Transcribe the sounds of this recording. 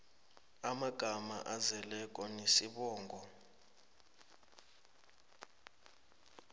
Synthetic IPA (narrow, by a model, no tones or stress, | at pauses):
amaɡ̥ʱama̰ʔazɛlɛkʼɔnesiɓɔːŋɡʱɔ